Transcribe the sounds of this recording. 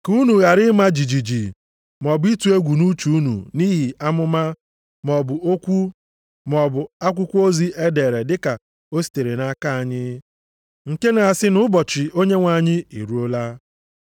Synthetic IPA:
ku˦nu˨ɣa˨ɾɪ˦ma˦d͡ʒi˨d͡ʒi˨d͡ʒi˨ | m˨ɔ˨bʊ˦i˦tu˨e˦ɡʷu˨nu˦t͡ʃu˨˦u˦nṵ˨niː˦ɦi˨a˦mʊ˦ma˦ | mɔ˨bʊ˨o˦kʷu˦ | mɔ˨bʊ˨a˦kʷʊ˦kʷu˦o˦zi˦ʔe˦de˨ɾe˨dɪ˦ka˨ | o˦si̥˨te˨ɾe˨na˦ka˦a˨ɲɪ˦ | ŋ̩˨ke˦na˨a˨sɪ˦nʊ˦bɔ˨t͡ʃɪ˨o˦ɲe˦ŋʷa˨ɲɪ˦ḭ˨ɾu˦o˦la˦

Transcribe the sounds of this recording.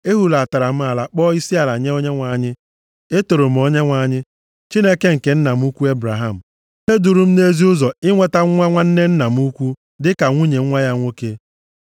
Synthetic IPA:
e˦ɦu˨la˨ta˨ɾa˨m̩˦a˨la˨k͡pɔː˦i˦si˦a˨la˨ɲe˦o˦ɲe˦ŋʷa˨ɲɪ˦ | e˦to˨ɾo˨m̩˨˦o˦ɲe˦ŋʷa˨ɲɪ˦ | t͡ʃi˦ne˦ke˦ŋ̩˨ke˨˦n̩˦na˨m̩˦u˦kʷu˦e˦bɾa˨ɦa˦˨m̩˨ | ne˦du˨ɾu˦m̩˦ne˦zi˦ʊ˦zɔ˨ɪ˦ŋʷe˦ta˦ŋ̩ʷ˦a˦ŋʷa˦n̩˦ne˦n̩˦na˨m̩˦u˦kʷu˦ | dɪ˦ka˨ŋʷu˦ɲe˨ŋ̩ʷ˦a˦ja˦ŋʷo˦ke˦

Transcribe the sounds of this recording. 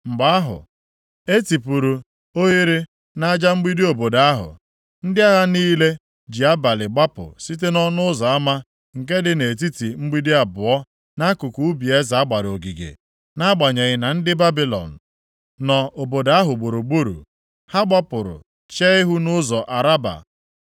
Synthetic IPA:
ŋ͡m̩˨ɡ͡ba˦a˦ɦʊ̰˨ | e˦ti˨pu˨ɾu˨ | o˦ɣe˦ɾi˦ | na˦d͡ʒa˦ŋ͡m̩˦ɡ͡bi˦di˦o˨bo˨da˨a˦ɦʊ̰˨ | n̩˦dɪ˦a˦ɣa˦niː˦le˦ | d͡ʒi˨a˦ba˨lɪ˨ɡ͡ba˦pʊ̰˨si˦t̬e˦nɔ˦nʊ˦zɔ˨a˦ma˦ | ŋ̩˨k̬e˦dɪ˦ne˨t̬i˦ti˨ŋ͡m̩˦ɡ͡bi˦di˦a˨bʊ˨ɔ˦ | na˦kʊ˨ku˨u˦bi˨e˦za˨a˦ɡ͡ba˨ɾo˨ɡi˨ɡḛ˨ | na˦ɡ͡ba˨ɲe˨ɣɪ˨na˨n̩˦dɪ˦ba˦bi˦lɔ̰˨n̩˨ | nɔ˨ʔo˨bo˨da˨a˦ɦʊ˨ɡ͡bo˨ɾu˨ɡ͡bu˦ɾṵ˨ | ha˦ɡ͡ba˦pʊ˨ɾʊ̰˨ | t͡ʃe˦ɪ˦ɦʊ˦nʊ˦zɔ˨ʔa˨ɾa˦ba̰˨

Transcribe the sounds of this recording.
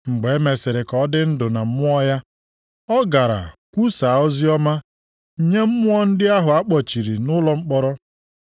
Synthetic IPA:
ŋ͡m̩˨ɡ͡be˨˦me˨sɪ˨ɾɪ˨kɔ˨˦dɪ˦n̩˦dʊ˨na˨m̩˦m˦ɔ˦ja˦ | ɔ˦ɡa˨ɾa̰˨kʷu˦sa˨ɔ˦zi˦ɔ˦ma˦˨ | ɲe˦m̩˦mʊ˦ɔ˦n̩˦dɪ˦a˦ɦʊ˨a˦k͡pɔ˨t͡ʃi˨ɾi˨nʊ˦lɔ˦ŋ͡m̩˦k͡pɔ˦ɾɔ˦

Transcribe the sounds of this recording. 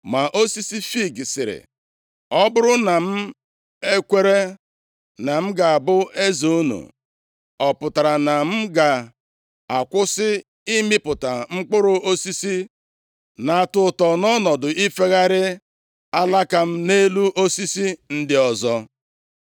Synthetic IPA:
ma˨ʔo˦si˦si˦fi˦˨ɡsɪ˨ɾɪ̰˨ | ɔ˦bʊ˦ɾʊ˦na˨m̩˦ | e˦kʷe˦ɾe˦ | na˨m̩˦ɡa˨a˨bʊ˦e˦zo˨u˦nṵ˨ | ɔ˨pʊ˨ta˨ɾa˨na˨m̩˦ɡa˨ | a˨kʷʊ˦sɪ˦ | i˦mɪ˦pʊ˨ta˨ŋ͡m̩˦k͡pʊ˦ɾʊ˦o˦si˦si˦ | na˨a˨tʊ˨tɔ˨nɔ˦nɔ˨dʊ˨ʔi˦fe˦ɣa˦ɾɪ˦ | a˦la˦ka˦m̩˦ne˦lu˦ʔo˦si˦si˦n̩˦dɪ˦ɔ˨zɔ˦

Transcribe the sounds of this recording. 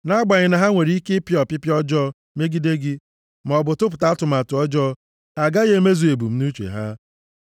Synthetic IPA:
na˦ɡ͡ba˨ɲɪ˨na˨ɦa˦ŋʷe˨ɾi˦kɪ˦pɪ˦ɔ˨pɪ˦pjɔ˦d͡ʒɔ˦ | me˦ɡi˦de˦ɡɪ˦ | m˨ɔ˨bʊ˨tʊ˦p̬ʊ˨ta˦tʊ˨ma˨tʊ˨ɔ˦d͡ʒɔ˦ | a˨ɡa˦ɣe˦me˦zu˨e˨bu˨m̩˦nu˦t͡ʃḛ˨ɦa˦

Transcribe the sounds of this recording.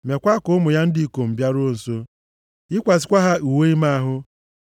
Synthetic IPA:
m˨a˨kʷa˦kʊ˦ʊ˦mʊ˨ja˦n̩˦di˦i˨ko˨m̩˨bja˦ɾʊ˦n̩˨so˦ | ɪ˦kʷa˨sɪ˨kʷa˦ɦa˦u˨we˦i˦ma˦a˦ɦʊ˦

